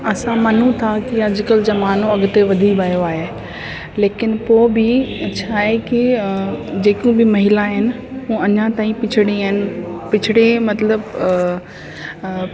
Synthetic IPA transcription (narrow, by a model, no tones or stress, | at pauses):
ɐsãmɐn̤ũt̪ʰakiɐd͡ʑʱɪkəlzɐmaːnõɐɡʊt̪eʋɐd̪ʱibaːjoaːɦe | leːkɪnpoːbɪt͡ɕʰaːɦeki | d͡ʑeːkũbɪmɐɦɪlaɦɪnɪ̆ɦũːɐɲãt̪aːĩpɪt͡ɕʰɪɽĩaːɦɪnɪ̆pɪt͡ɕʰɪɽemɐt̪ləb